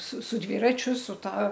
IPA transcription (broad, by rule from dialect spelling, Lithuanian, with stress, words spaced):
sʊ sʊ ˈdʲʋʲiːrɐt͡ʃʲʊ sʊ ˈtɐ